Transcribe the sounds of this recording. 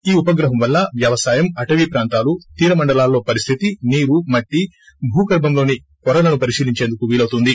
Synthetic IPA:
iːupɐɡɾɐɦɐmʋɐlːɐʋjɐʋɐsaːjɐmɐʈɐʋipɾaːnt̪aːlut̪iːɾɐmɐɳɖɐlaːlːo̞ːpɐɾist̪ʰit̪iniːɾumɐʈːi | bʱuːkɐɾbɐmlo̞ːni | kɔɾɐlɐnupɐɾisiːliɲt͡ʃe̞ːnd̪ukuʋiːlɐwt̪und̪i

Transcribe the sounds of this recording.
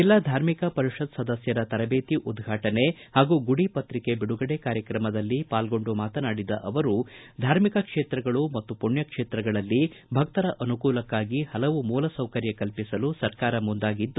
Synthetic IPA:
ɛlːɐd̪ʱaːɾmikɐpɐɾiʂɐd̪sɐd̪ɐsjɐɾɐt̪ɐɾɐbeːt̪iʔud̪ɡʱaːʈɐne̞ | haːɡuːɡuɽipɐt̪ɾike̞biɽuɡɐɽekaːɾjɐkɾɐmɐd̪ɐlːipaːlɡo̞ɳɖumaːt̪ɐnaːɽid̪ɐ̰ʔɐʋɐɾu | d̪ʱaːɾmikɐkʂeːt̪ɾɐɡɐɭumɐt̪ːupuɳjɐkʂeːt̪ɾɐɡɐɭɐlːibʱɐk̚t̪ɐɾɐʔɐnukuːlɐkːaːɡihɐlɐʋumuːlɐsɐwkɐɾjɐkɐlpisɐlusɐɾkaːɾɐmund̪aːɡid̪ːu

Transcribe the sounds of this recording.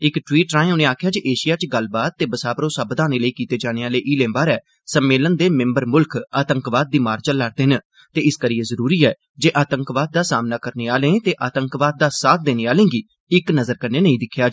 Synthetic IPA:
ɪkʈwiːʈɾaːẽːʊnẽːaːkʰjaːd͡ʒeːʔeːʃɪjaːt͡ʃɡəlbaːt̪̚ːeːbəsaːbəɾõːsabəd̪aːneːləiːkiːt̪eːd͡ʒaːneːaːleːʔiːlẽːmbaːɾɛː | səmːeːlənd̪eːmɪ̃mbəɾmʊlkʰaːt̪əŋkʋaːd̪̚d̪iːmaːɾt͡ʃəlːaɾd̪eːɦɪn | t̪eːɪskəɾiːeːzəɾuːɾiːɛː | d͡ʒeːʔaːt̪əŋkʋaːd̪̚d̪aːsaːmnaːkəɾneːaːlẽːt̪eːʔaːt̪əŋkʋaːd̪̚d̪aːsaːt̪̚ʰd̪eːneːaːlẽːɡiː | ɪknəzəɾkəɾneːnəĩːd̪ɪkʰːjaː

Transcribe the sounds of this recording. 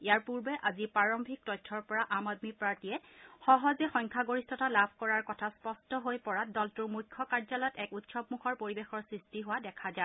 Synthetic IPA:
ejaɹpuɹbɛʔazipɹaɹɔmbʱik̚tɔtʰːɔɹpɔɹaʔamadmipɹaɹtiɛxɔɦɔzɛxɔjŋkʰaɡoɹistʰɔtalabʱkɔɹaɹkɔtʰaspɔstɔɦojpɔɹadɔltuɹmukʰːɔkaɹzalɔjɔtɛkutsɔbmukʰɔɹpoɹibexɔɹsɹistiɦʊwadɛkʰaza

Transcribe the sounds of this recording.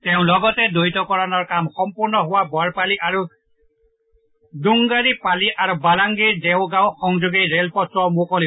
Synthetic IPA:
teʊ̃lɔɡɔtɛdojtɔkɔɹanɔɹkamxɔmpuɹnɔɦʊwabɔɹpaliʔaɹu | duŋɡaɹipaliʔaɹubalaŋɡiɹdeʊɡaw̃xɔŋd͡ʒoɡeɹelpɔtɹɔmʊkɔli

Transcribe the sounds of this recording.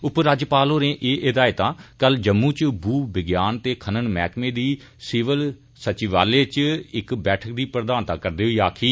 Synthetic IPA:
ʊpɾaːd͡ʒpaːlɦoːɾẽːʔeːʔɪd̪aːɪt̪ãːkəld͡ʒəmːuːt͡ʃbuːbɪɡjaːnt̪eːkʰənənmɛːkʰmẽːd̪iː | sɪːʋəl | sət͡ʃiʋa̰ːleːt͡ʃɪkbɛːʈʰək̚d̪iːpɾəd̪aːnt̪ãːkəɾd̪eːɦoiːaːkʰiː

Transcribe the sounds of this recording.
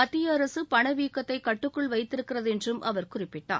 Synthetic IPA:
ɐt̪ːɪjɐɾɐsɯpɐɳɐʋiːkːɐt̪ːɐɪkɐʈːɯkːɯɭʋɐɪt̪ːɪɾɯkːɪrɐðɛndrɯmʔɐ̰ʋɐɾkʊrɪpːɪʈːa̰ː

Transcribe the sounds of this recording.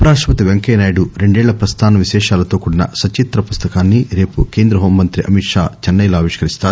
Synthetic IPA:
ɐpɐɾaːʂʋɐt̪iʋeŋkeːnaːjɽuɾe̞ɳɖɛːɭːɐpɾɐst̪ʰaːnɐʋiʃɛːʃaːlɐt̪o̞ːkuɽinɐ̰sɐt͡ʃit̪ɾɐpust̪ɐkaːnːiɾe̞ːpuke̞ːnd̪ɾɐɦoːmːɐnt̪ɾiʔɐmiʈʂa̰ːt͡ʃɐnːɐjlaːʋiʂkɐɾist̪aːɾu

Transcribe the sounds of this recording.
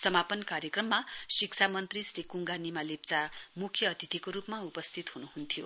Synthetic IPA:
sʌmapʌnkaɾjekrʌmːasikt͡sʰamʌnt̪risrikuŋɡanimalep̚t͡samukʰjʌːt̪ʰit̪ʰikoɾupmaupʌst̪ʰit̪ɦunuɦunt̪ʰijo

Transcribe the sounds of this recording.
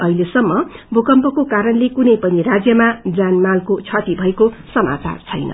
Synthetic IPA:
ʌilesʌmːʌbʱukʌmpʌkokaɾʌnlekunʌjpʌnirad͡zjʌmad͡zanmalkot͡sʰʌt̪ibʱʌekosʌma̰t͡sa̰rt͡sʰʌjnʌ̰

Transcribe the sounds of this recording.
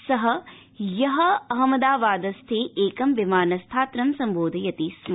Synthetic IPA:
sɐɦɐ̆ | jɐɦɐɐɦɐmɐd̪aːʋaːd̪ɐst̪ʰeːʔeːkɐmʋimaːnɐst̪ʰaːt̪ɾɐmsɐmboːd̪ʱɐjɐt̪ism

